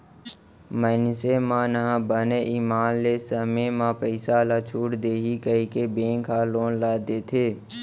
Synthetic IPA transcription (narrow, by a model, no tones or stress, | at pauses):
mənsemãːnəɦãbəneʔiːmaːnlesəmemãpəɪsalat͡ʃʰuːʈd̪eːɦikəikebẽːŋkʰaːlõːnlaːd̪eːt̪ʰeː